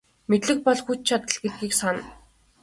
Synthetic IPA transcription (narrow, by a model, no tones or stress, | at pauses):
met̪ɮɘ̆xpɔɮxut͡ɕ̚t͡ɕʰat̪ə̆ɮɡet̪̚ɡiːksan